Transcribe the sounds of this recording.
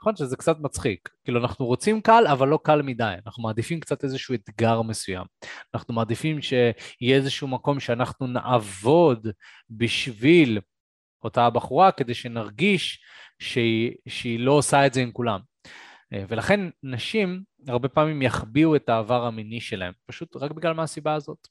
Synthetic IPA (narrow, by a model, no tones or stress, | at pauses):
naχonʃezekt͡sat̪mat͡sχikkiːluanaχnuʁot͡simkalavalːo̞kalmid̪ajanaχnumaːd̪ifimkt͡sat̪e̞zeʃued̪ɡaʁme̞suja̰manaχnumaːd̪ifimʃe̞hijɛezeʃuumako̞mʃeanaχnuna̰ʔavo̞d̪ | biʃvil | o̞taːbaχuʁake̞d̪e̞jʃe̞naʁɡiʃ | ʃeiʃeilo̞osaetze̞imkulam | ve̞laχe̞nnaʃim | aʁbe̞paːmimjaχbiue̞taːvaʁaminiʃe̞la̰he̞mpaʃut̪ʁakbiɡlalmeasibaːzo̞t̪